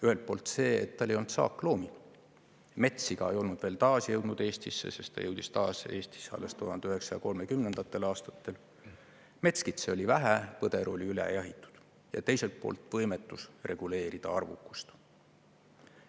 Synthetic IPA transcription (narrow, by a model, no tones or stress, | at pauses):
yhe̞lt̪̚po̞ːlt̪se̞ːḛt̪ːɑlejo̞lnut̪sɑ̰ːkːˑlo̞ːmi | me̞t̪siɡ̥ɑe̞jo̞lnud̪veːlt̪ɑːsijɤwd̪nud̪̥e̞ːst̪isːḛse̞st̪t̪ɑjɤwd̪̥ist̪ɑːse̞ːst̪i̥sːɑ̰lːest̪uɦhɑnd̪eyɦe̞ksɑjɑko̞lme̞kymnend̪̥ɑt̪ːˑe̞lɑːst̪ɑ̥t̪ːe̞l | me̞t̪skit̪seo̞lʲivæɦæpɤd̪̥e̞ɾo̞lʲiylḛjæɦit̪ːˑu̥d̪̥ | jɑ̰t̪e̞jse̞lt̪̚po̞̰ːlt̪ˑvɤ̞jmet̪ːˑusrʔe̞ɡ̥ule̞ːɾid̪̥ɑɑrvṵkːˑu̥st̪